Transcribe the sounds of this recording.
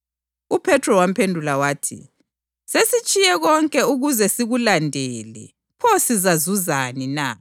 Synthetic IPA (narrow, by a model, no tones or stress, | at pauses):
upʰɛtʰrɔwam̩pʰendʱulawaːtʰḭ | sesit͡ʃʼijɛɣɔŋkʼɛuɣuzɛsiɣulandʱeːlɛ̰ | pʰɔsizazuzanina